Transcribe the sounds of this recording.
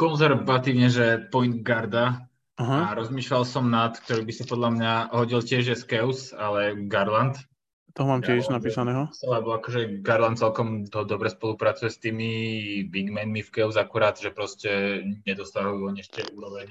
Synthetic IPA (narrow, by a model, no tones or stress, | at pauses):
kɔnzɛɾʋat̪iːʊɲɛʒɛpɔjn̚ɡaɾd̪a | aɦaaɾɔzmiːʃlalsɔmnat̪k̚t̪ɔɾiːbisapɔd̪lamɲaɦɔɟilcɪɛʒjɛskɛʊsalɛɡaɾlant̪ | t̪ɔɦɔmaːmjcɪɛʃnapiːsanɛːɦɔsalabɔakɔʒɛɡaɾlant̪̚t͡sɛlkɔmɔd̪ɔbɾɛspɔlupɾat͡sujɛst̪iːmibiɡmɛnmifkɛʊzakuɾaːd̪ʒɛpɾɔscɛɲɛd̪ɔst̪aʋauuɔɲɛʃt̪ɛuːɾɔʋɛɲ